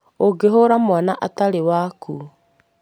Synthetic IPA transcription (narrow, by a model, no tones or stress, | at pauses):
oɡeɦoɾamwanaʔataɾewaku